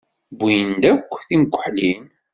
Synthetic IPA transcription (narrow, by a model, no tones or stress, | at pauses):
bːijənd̪ækʷːθimɡʷːəħlin